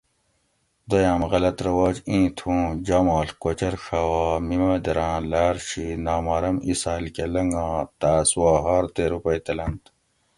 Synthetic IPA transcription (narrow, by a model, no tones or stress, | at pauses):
d̪ojaːmɣɐlɐt̪ɾɐwaːd͡ʑĩːt̪ʰũːd͡ʑaːmaːlkot͡ɕɐɾʂaːwaːmimaːd̪ɐɾãːlaːɾɕinaːmɐːɾɐmisaːlkelɐŋɡãːt̪aːswaːɦaːɾt̪eːɾupɐit̪ɐlɐnt̪